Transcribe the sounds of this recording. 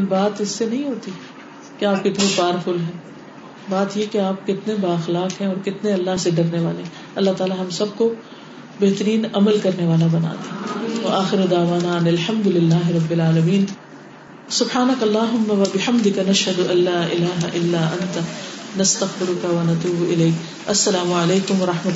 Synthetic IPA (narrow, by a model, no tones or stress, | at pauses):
nbaːt̪ɪsːenɐɦĩɦoːt̪i | keaːp̚kɪt̪nẽpaːɾfʊlɦɛ̃ː | baːt̪jekeaːp̚kɪt̪nebaːɐxlaːqɦɛ̃ɔːɾkɪt̪neɐlːaɦseɖɐɾneʋa̰ːleɦɛ̃ | ɐlːaɦt̪aːlaɦɐmsɐb̚ko | bɛɦt̪əɾiːnɐməlkɐɾneʋaːlabɐna̰ːt̪eɐaːxɪɾd̪aːʋaːnaɐnɪlħɐ̃md̪ʊlɪlːaːɦɪɾɐbːɪlaːlɐmiːn | sʊbħaːnɐkɐlːaːɦʊmːaʋɐbɪħɐmd̪ɪkanɐʃɦɐd̪ʊʔɐlːaːʔɪlaːɦaʔɪlːaːʔɐ̃nt̪anɐst̪ɐxfɪɾʊkaʋɐnɐt̪uːbɪleːk | ɐsːɐlaːmʊɐleːkʊmʋɐɾɐħmɐ